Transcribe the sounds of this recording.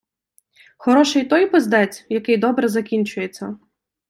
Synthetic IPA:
xɔɾɔʃɛjt̪ɔjpɔzd̪ɛt͡sʲjɐkɪjd̪ɔbɾɛzɐkʲinʲt͡ʃʊjet͡sʲːɐ

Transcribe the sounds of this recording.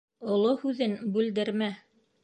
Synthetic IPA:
ŏlˠohʉðɘnbʉld̪ɘ̆ɾmæ

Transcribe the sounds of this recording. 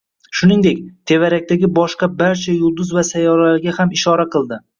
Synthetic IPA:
ʃʊnɪŋd̪ek̚ʲt̪ʰe̞vaɾak̚ʲt̪aɡʲɪbɒʃqɑbaɾt͡ʃʰajʊlˠd̪ʊzvasajɒɾalaɾɡʲahamɪʃɒɾaqɨlˠd̪ɪ

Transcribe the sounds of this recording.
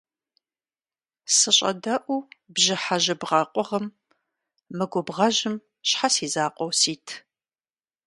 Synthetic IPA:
sɨɕʼɐ̰dɐʔʷubʒɪħaʒɐbʁɑːqʷʼɔʁɐmː | ɨɡʷʊbʁɐʒɪm | ɕħasiːzaːqʷʼɔwsiːtʰ

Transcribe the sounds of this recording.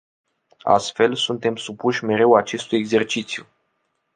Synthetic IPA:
a̰st̪fe̞lsunt̪e̞msupuʃʲme̞ɾe̞wat͡ʃe̞st̪ujeɡze̞rt͡ʃit̪sju

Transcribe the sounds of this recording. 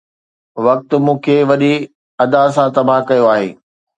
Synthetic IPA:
ʋɐk̚t̪ʊmũːkʰeːʋɐɗi | ɐd̪as̬ãt̪ɐbʱaɦkɐjoaːɦḛː

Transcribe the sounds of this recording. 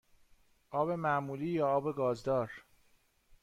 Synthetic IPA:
ʔɒːbe̞mæmuːliːjɒːɒːbe̞ɡɒːzd̪ɒːɾ

